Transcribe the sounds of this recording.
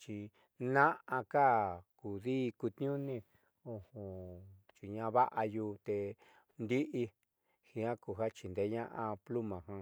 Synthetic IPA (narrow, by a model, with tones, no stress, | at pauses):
t͡ʃi˧ | nã˦ʔã˧ka˦˨ku˨ðiː˦˧ku˧t̪n˦ũ˦nĩ˦˧ | õ˧hũ˨ | t͡ʃi˨ɲã˧βa˦ʔa˧juː˧t̪e˧ | nd̪i˦ʔi˧ | hi˧ã˦ku˧˨ɦa˦t͡ʃi˧nd̪e˨˦ɲã˦ʔã˧plu˦mã˨ɦã˧